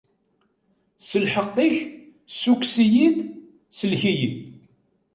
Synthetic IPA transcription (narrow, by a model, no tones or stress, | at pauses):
səlħəqːiç | suksijid̪ | səlçiji